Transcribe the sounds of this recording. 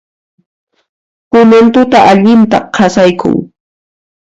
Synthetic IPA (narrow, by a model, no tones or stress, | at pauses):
kʊment̪ʊt̪aʔaʎɪnt̪aqʰasajkʰʊ̰ŋ